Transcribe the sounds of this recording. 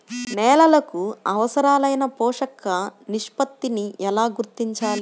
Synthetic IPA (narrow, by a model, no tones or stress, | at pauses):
nɛːlɐlɐkuɐʋɐsɐɾaːlɐjnɐpɔːʂɐkɐniʂpɐt̪ːiniʔɛlaːɡuɾt̪ːiɲt͡ʃaːli